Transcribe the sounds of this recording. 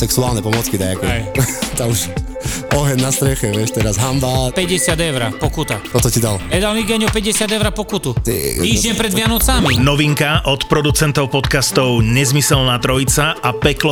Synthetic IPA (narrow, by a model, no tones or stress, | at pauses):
sɛksuaːlnɛpɔmɔt͡skid̪ajakɔɛt̪amuʃ | ɔɦɛnːast̪ɾɛxɛʋɪɛʃt̪ɛɾazɦambapɛɟɛsɪad̪ɛʊɾapɔkut̪at̪ɔt̪ɔcid̪alɛd̪almiɡaɲɔpɛɟɛsɪad̪ɛʊɾapɔkut̪ut̪ḭiːʒɲɛmpɾɛd̪ʋɪanɔt͡saminɔʋiŋkaʔɔt̪pɾɔd̪ut͡sɛnt̪ɔʊpɔt̪kast̪ɔʊɲɛzmisɛlnaːt̪ɾɔit͡saapɛklɔ